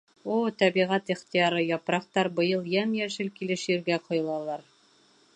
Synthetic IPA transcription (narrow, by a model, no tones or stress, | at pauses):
ot̪æbiʁæt̪iχt̪ijɑɾɤjɒpɾɑqt̪ɑɾbɤ̆jɤlˠjæmjæʃɘlkilɘʃjĭɾɡæqŏjɤ̆lˠɑlˠɑɾ